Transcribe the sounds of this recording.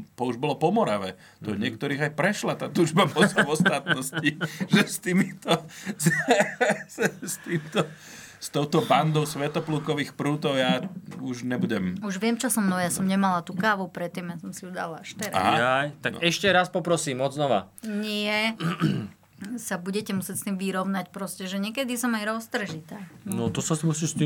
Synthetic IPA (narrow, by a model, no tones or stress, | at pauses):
p̪ɔuʒbɔlɔpɔmɔɾaʋɛ | t̪ɔɲɪɛkt̪ɔɾiːɣajpɾɛʃlat̪aːt̪uːʒbapɔsavɔst̪aːt̪nɔsciʒɛst̪iːmit̪ɔz | sɛst̪iːmt̪ɔ | st̪ɔʊt̪ɔband̪ɔʊsʋɛt̪ɔpluːkɔʋiːxpɾuːt̪ɔʊjaːuʒɲɛbuɟɛmuʒʋɪɛmt͡ʃɔsɔmnɔjasɔmɲɛmalat̪uːkaːʋupɾɛt̪ːiːmjasɔmsijud̪a̰laʃt̪ɛɾa̰ajt̪aɡɛʃcɛɾaspɔpɾɔsiːmɔznɔʋa̰ɲɪɛ | sabuɟɛcɛmusɪɛcst̪iːmʋiɾɔʊnacpɾɔscɛʒɛɲɪɛkɛd̪isɔmajɾɔst̪r̩ʒit̪aːnɔt̪ɔsasimusiːst̪i